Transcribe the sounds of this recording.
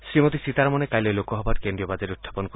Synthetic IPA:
sɾimot̪isit̪aɾmɔnekajlelokɔɦɔbatkend̪ɾiɔbad͡ʒaɾeut̪ʰːḁpɔnk

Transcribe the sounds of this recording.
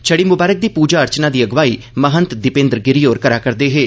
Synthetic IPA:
t͡ʃʰəɽiːmʊbaːɾək̚d̪iːpuːd͡ʒaːəɾt͡ʃnaːd̪iːəɡʋaːiː | məɦənt̪d̪ɪpẽːnd̪ɾɡɪɾiːoːɾkəɾaːkəɾd̪eːɦeː

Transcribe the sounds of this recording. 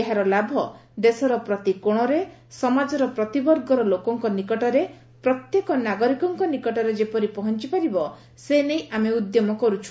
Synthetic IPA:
eɦaɾɔlabʱɔd̪esɔɾɔpɾɔt̪ikoɽ̃ɔɾe | sɔmad͡ʒɔɾɔpɾɔt̪ibɔɾɡɔɾɔlokɔŋkɔnikɔʈɔɾe | pɾɔt̪jekɔnaɡɔɾikɔŋkɔnikɔʈɔɾed͡ʒepɔɾipɔɦɔnt͡ʃipaɾibɔ | senejameud̪jɔmɔkɔɾut͡ʃʰu̥

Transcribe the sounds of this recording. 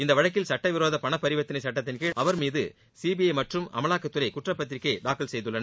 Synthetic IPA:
ɪnd̪ɐʋɐɻɐkːɪlsɐʈːɐʋɪɾoːðɐpɐɳɐpːɐɾɪʋɐt̪ːɪnɐɪsɐʈːɐt̪ːɪnkɯʔɐʋɐɾmiːðɯ | siːbijɐɪmɐʈrɯmɐ̰mɐlaːkːɐt̪ːɯɾɐɪkʊʈrɐpːɐt̪̬ɪɾɪkːɐɖaːkːɐlsɛjðɯɭːɐnɐ

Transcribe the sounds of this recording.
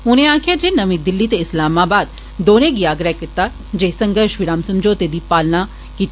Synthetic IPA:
ʊnẽːaːkʰjaːd͡ʒeːnəʋĩːd̪ɪlːiːt̪eɪslaːmaːbaːd̪ | d̪oːnẽːɡiːaːɡɾəɦkɪt̪aː | d͡ʒeːsəŋɡəɾʃʋɪɾaːmsəmd͡ʒoːt̪eːd̪iːpaːlnaː | kiːt̪

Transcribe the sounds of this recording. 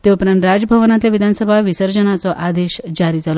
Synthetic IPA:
t̪eupɾaɳʈɾad͡zəbʱəʋnat̪ljaʋid̪ʱansəbʱaʋisəɾd͡ʑənat͡sɔʔad̪eɕd͡ʑaɾiːd͡zʱalɔ

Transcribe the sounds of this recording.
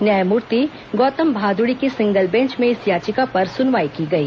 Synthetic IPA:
njaːjmuːɾt̪i | ɡɔːt̪əmbʱaːd̪ʊɽikisɪ̃ŋɡəlbɛ̃ɲt͡ʃmẽɪsjaːt͡ʃɪkapɐɾsʊnʋaːikiɡɐiː

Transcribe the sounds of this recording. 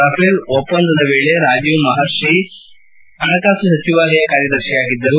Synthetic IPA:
ɐpelopːɐnd̪ɐd̪ɐʋeːɭeɾaːd͡ʒjumɐɦaɾʃɾi | ɐnɐkaːsusɐt͡ʃiʋaːlɐjɐkaːɾjɐd̪ɐɾʃijaːɡid̪ːɐɾu

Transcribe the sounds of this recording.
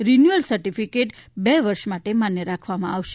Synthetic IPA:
ɾinjuəlsəɾʈifikeʈbɛʋəɾʃmaʈemanjəɾakʰʋamã̰aʋʃe

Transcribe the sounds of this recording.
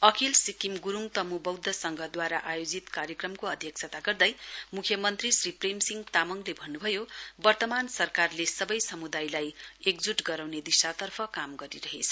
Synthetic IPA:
ʌkʰilsikimɡuɾuŋt̪ʌmubʌwd̪ʱːʌsʌŋɡʱʌd̪waɾaʔajod͡zit̪kaɾjʌkrʌmkoʌd̪ʱjʌk̚t͡sʰʌt̪aɡʌrd̪ʌjmukʰjʌmʌnt̪risripremsiŋɡt̪amʌŋlebʱʌnːubʱʌjobʌrt̪ʌmansʌrkarlesʌbʌjsʌmud̪ajlajekd͡zuʈɡʌɾawned̪isat̪ʌrpʰʌkamɡʌɾiɾʌɦet͡sʰʌ̥

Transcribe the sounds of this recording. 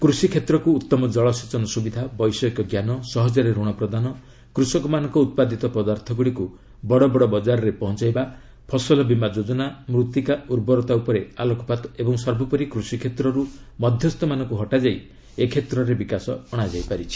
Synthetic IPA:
kɾusikʰet̪ɾɔkuːt̪ːɔmɔd͡ʒɔɭɔsit͡ʃɔnɔsubid̪ʱabɔjsɔikɔɡjanɔsɔɦɔd͡ʒɔɾeɾuɽ̃ɔpɾɔd̪anɔ | kɾusɔkɔmanɔŋkɔut̪̚pad̪it̪ɔpɔd̪aɾt̪ʰɔɡuɽiku | bɔɽɔbɔɽɔbɔd͡ʒaɾɔɾepɔɦɔnt͡ʃajba | pʰɔsɔlɔbimad͡ʒod͡ʒɔnamɾut̪ikauɾbɔɾɔt̪aupɔɾealɔkɔpat̪ebɔŋsɔɾbʱɔpɔɾikɾusikʰet̪ɾɔɾumɔd̪ʱjɔst̪ɔmanɔŋkuɦɔʈad͡ʒai | ekʰet̪ɾɔɾebikasɔːɽ̃ad͡ʒajpaɾit͡ʃʰi̥

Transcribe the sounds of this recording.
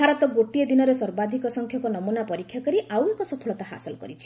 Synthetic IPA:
bʱaɾɔt̪ɔɡoʈied̪inɔɾesɔɾbad̪ʱikɔsɔŋkʰjɔkɔnɔmunapɔɾikʰːjakaɾiʔawekɔsɔpʰɔɭɔt̪aɦa̰sɔlɔkɔ̰ɾit͡ʃʰi̥

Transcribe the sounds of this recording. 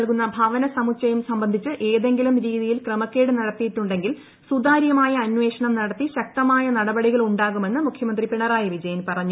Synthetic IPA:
ɐlkunːɐbʱaːʋɐnɐsɐmut͡ɕːɐjumsɐmbɐnd̪ʱit͡ɕːɨʔe̞ːðe̞ŋɡilumɾiːðijilkremɐkːeːɽɨnɐɽɐt̪ːijiʈːuɳɖe̞ŋɡil | sud̪aːɾjɐmaːjɐːnʋe̞ːʂɐɳɐmnɐɽɐt̪ːiɕɐk̚t̪ɐmaːjɐnɐɽɐbɐɽiɣɐɭuɳɖaːɣume̞nːɨmukʰjɐmɐnd̪ripiɳɐraːjɐʋid͡ʑɐjɐnpɐrɐɲːu

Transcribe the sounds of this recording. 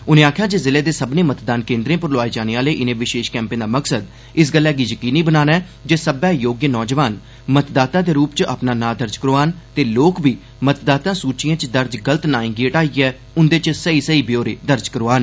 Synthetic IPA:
ʊnẽːaːkʰjaːd͡ʒeːzɪleːd̪eːsəbnẽːmət̪d̪aːnkẽːnd̪ɾẽːpəɾlʊaːeːd͡ʒaːneːaːleːʔɪnẽːʋɪʃeːʃkɛ̃ːmpẽːd̪aːməksəd̪ | ɪsɡəlːɛːɡiːjəkiːniːbənaːnɛː | d͡ʒeːsəbɛːjoːɡjənɔːd͡ʒʋaːn | mət̪d̪aːt̪ãːd̪eːɾuːpt͡ʃʔa̰pnaːnaːd̪əɾd͡ʒkəɾoːaːnt̪eːloːkbiː | mət̪d̪aːt̪ãːsuːt͡ʃɪjãːt͡ʃd̪əɾd͡ʒɡələt̪naːĩːɡiːəʈaːiːɛː | ʊnd̪eːt͡ʃsəiːsəiːbɪjoːɾeːd̪əɾd͡ʒkəɾoːaːn

